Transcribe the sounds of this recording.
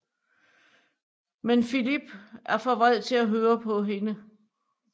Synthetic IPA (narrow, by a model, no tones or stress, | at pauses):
menfilib̥ʔæɐfɒ̽ʋað̰ˠt͡sʰe̝læɦøːɐpʰɒ̽ɦe̝nə